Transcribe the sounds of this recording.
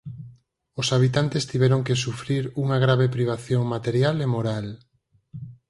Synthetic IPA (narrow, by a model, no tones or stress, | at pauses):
osaβ̞it̪ant̪est̪iβɛɾoŋkesufɾiɾuŋaɣ̞ɾaβepɾiβ̞aθjoŋmat̪eɾjalemoɾal